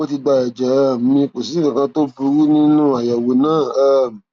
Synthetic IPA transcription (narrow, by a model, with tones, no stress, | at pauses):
o˦ti˧ɡ͡ba˧ɛ˨d͡ʒɛ˨˦˨m̩˨mĩ˧k͡po˨si˨˦ĩ˨kã˧to˦bu˧˦ɾu˦nĩ˦nũ˦a˨ja˨wo˨nãː˦˨a˦m˨